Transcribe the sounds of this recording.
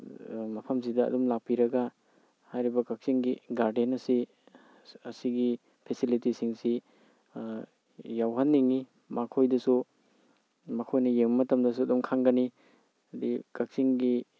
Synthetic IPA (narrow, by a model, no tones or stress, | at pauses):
mɐpʰɐms̬idɐ̰ːdumlak̚piɾɐɡɐ | hajɾibɐkak̚siŋɡiɡaɾdenɐsi | ɐsiɡi | pʰesilitisiŋsi | jawɦɐnːiŋːi | makʰojdɐsu | mɐkʰojnɐjemmɐtɐmdɐsuɐdumkʰaŋɡɐni | ɐdikak̚siŋɡi